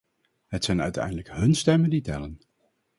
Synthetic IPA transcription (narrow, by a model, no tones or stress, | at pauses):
ɦətsɛjnœ̰ɥtɛ̰jndələkɦɵnstɛmənditɛ̰lən